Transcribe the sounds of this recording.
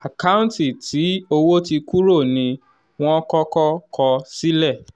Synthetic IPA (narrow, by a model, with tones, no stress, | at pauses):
a˨ka˦ũ˦nti˦˨tʰi˨˦o˧wo˦ti˧ku˦ɾo˦˨nĩ˧ | w̃ɔ̃˦kɔ˦kɔ˦kʰɔ˧si˦lɛ˦˨